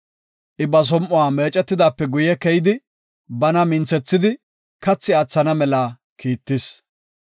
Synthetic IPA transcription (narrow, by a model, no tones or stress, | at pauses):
ʔɪbɐs̬ɔmʔʊwaːmeːt͡ʃʼɛt̪ːɪd̪aːpːɛɡʊjɛkɛjɪd̪ɪ | bɐnɐmɪnt͡sɛt͡sːɪd̪ɪ | kɐt͡sːɪɐt͡sːɐnɐmɛlaː | kiːt̪ːɪs